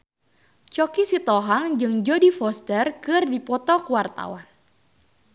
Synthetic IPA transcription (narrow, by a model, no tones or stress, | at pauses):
t͡ʃɔkisit̪ɔɦaŋd͡ʒɨŋd͡ʒodifɔst̪ɛrkɨrdipɔt̪ɔkəwart̪a̰wan